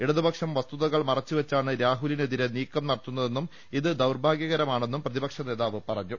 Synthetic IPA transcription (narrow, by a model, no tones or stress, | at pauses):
eɽɐðubɐkʂɐmʋɐst̪uðɐɣɐɭmɐrɐt͡ɕːuʋet͡ɕːaːɳɨɾaːɦulineðiɾeniːkːɐmnɐrɐt̪ːun̪ːɐðe̞nːum | iðɨd̪ɐwrbʱaːɡjɐɣɐɾɐmaːɳe̞nːumprɐðibɐkʂɐne̞ːðaːʋɨpɐrɐɲːu